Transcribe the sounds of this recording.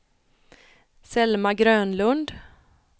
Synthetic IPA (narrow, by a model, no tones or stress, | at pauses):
sɛlmaɡɾøːnlɵnd̪